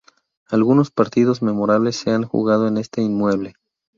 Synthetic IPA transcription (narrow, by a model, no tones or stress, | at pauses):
alɣuno̞spaɾt̪iðo̞zme̞mo̞ɾaβle̞sːe̞aŋxṵɣað̞oe̞ne̞st̪einmwe̞βle̞